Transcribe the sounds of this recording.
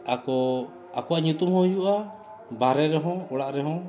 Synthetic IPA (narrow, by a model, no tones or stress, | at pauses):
akɔ | akɔaɲut̪umhɔ̃juʔa | baɾɛɾɛɦɔ̃ɔɽaʔɾɛɦɔ̃